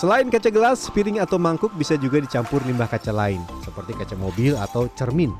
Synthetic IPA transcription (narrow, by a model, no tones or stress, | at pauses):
səlaɪnkat͡ʃaɡəlaspiɾɪŋat̪awmaŋkʊk̚bisad͡ʒuɡadit͡ʃampʊrlimbahkat͡ʃalaɪnsəpərt̪ikat͡ʃamobila̰t̪awt͡ʃərmɪn